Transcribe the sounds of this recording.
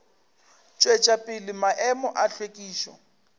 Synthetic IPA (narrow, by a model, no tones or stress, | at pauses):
t͡ʃʼwet͡ʃʼapʼɪlɪmaʔɛmɔʔaɬwekʼiːʃɔ̰